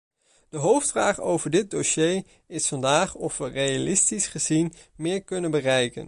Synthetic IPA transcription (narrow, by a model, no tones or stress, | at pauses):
d̥əɦowftfraːχowvəɹdɪt̚doʃej | ɪsfɑndaːχɔfʋərejalɪstisχəzin | mɪːɹkɵnənbərɛjkə̰n